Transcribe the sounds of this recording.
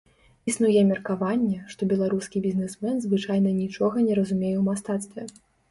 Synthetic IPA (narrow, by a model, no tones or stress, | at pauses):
isnujɛmʲɛrkavanʲːɛʂt̪ɔbʲɛlˠaɾuskʲibʲizʲnʲɛsmɛnzvɨt͡ʂajn̪ɐnʲit͡ʂɔɣɐnʲɛɾɐzumʲejɛwmast̪at̪st̪vʲɛ